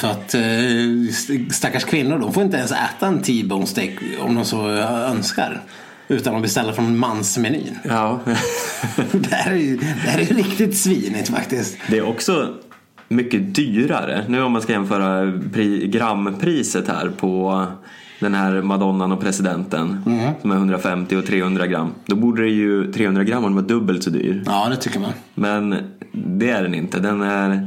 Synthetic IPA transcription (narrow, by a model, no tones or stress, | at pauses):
sɔat̪ | st̪akːaʂkʰvɪnːʊɖɔmfoːjɪnt̪əɛnsɛ̰ːt̪aɛnt̪ʰiːbɔnst̪ɛkɔ̰md̪ɔmsɔœnska̰ɾ | ʉ̟ːt̪anɔmbɛst̪ɛlːaɾfɾɔnmansmɛny̰ːnɑː | d̪ɛæɾɛjd̪ɛhæɾɛjɵɾɪkt̪ɪt̪sviːnɪt̪fa̰kt̪ɪst̪d̪ɛːɾʔɔksɔ | mʏkːəd̪yːɾa̰ɾə̰nʉ̟ːɔmanskajɛnfœːɾapʰɾiːɡɾamːpʰɾiːsət̪hæ̰ːɾpʰɔ | d̪ɛnhæːɾmad̪ɔnːanɔpʰɾɛsɪd̪ɛnt̪ənsɔmæɾɦɵnd̪ɾafɛmt̪ɪɔt̪ʰɾeːhɵnd̪ɾaɡɾa̰mːd̪ɔbuːɖəɾɛjɵt̪ʰɾeːhɵnd̪ɾaɡɾamːad̪ɛnvɑːd̪ɵbːəlt̪sɔd̪y̰ːɾɑːd̪ɛt̪ʰʏkːəman | mɛnd̪ɛæɖɛnɪ̰nt̪əd̪ɛnæɾ